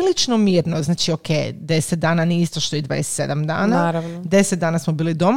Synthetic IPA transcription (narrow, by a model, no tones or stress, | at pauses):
lit͡ʃnomiːɾnoznaːt͡ʃiokejd̪e̞set̪̚d̪aːnaniist̪oʃt̪oid̪ʋa̰ːdese̥t̪se̞̰d̪amd̪a̰ːnaɾad̪e̞set̪̚d̪aːnasmobiːlid̪o̞m